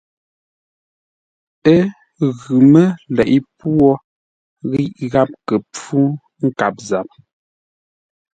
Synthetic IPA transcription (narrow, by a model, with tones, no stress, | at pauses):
ə˦ | ɣʉ˨mə˦lɛ˨ʔi˦pwɔ˦ | ɣi˦ʔɣa˦p̚kə˨p͡fu˦ | ŋ̩˦ka˨p̚za˨p̚